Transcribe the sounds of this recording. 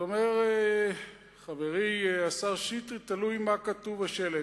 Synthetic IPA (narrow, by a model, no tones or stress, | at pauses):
omeʁ | χaveʁiasaʁʃit̪ʁit̪alujmakat̪uvaʃele